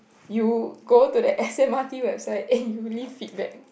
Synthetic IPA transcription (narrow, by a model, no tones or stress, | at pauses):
juɡotudəʔɛsɛ̃matiwɛbsaɪtɛ̃njulivfit̚bɛ̰k̚